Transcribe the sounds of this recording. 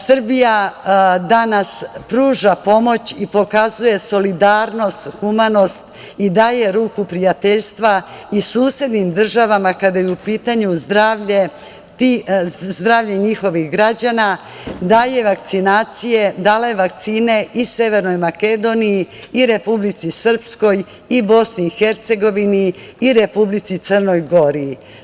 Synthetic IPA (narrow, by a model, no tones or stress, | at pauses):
sr̩bijad̪anaspɾuːʒapo̞mo̞t͡ɕipo̞kazuje̞so̞lid̪aːɾno̞st̪xumano̞st̪ | id̪aːjeɾuːkupɾijat̪e̞ʎst̪ʋa | isuːsje̞d̪nimd̪r̩ʒaʋamakad̪ajeupiːt̪aɲuzd̪ɾaːʋʎe | t̪izd̪ɾaːvʎeɲixo̞ʋixɡɾad͡ʑana | d̪aːje̞ʋakt̪sinaːt̪sije̞d̪ale̞ʋak̚t̪siːne̞ʔise̞ʋe̞ɾno̞jmake̞d̪o̞nijiiɾe̞publit̪sisr̩psko̞j | ibo̞sniixe̞ɾt̪se̞ɡo̞ʋiniːɾe̞publit̪sit̪sərno̞jɡo̞ɾiː